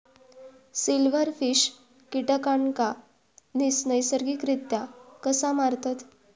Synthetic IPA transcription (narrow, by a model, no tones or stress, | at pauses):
silʋəɾfiɕ | kiʈəkaɳka | nisnəjsəɾɡikɾit̪jakəsamaɾt̪at̪